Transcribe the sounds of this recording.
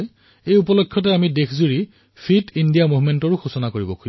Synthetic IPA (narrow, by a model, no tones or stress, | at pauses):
ejupɔlɔkʰːjɔt̬ɛamidekʰzuɹi | fʰitindijamuɦmentɔɹʊxusɔnakoɹibɔkʰu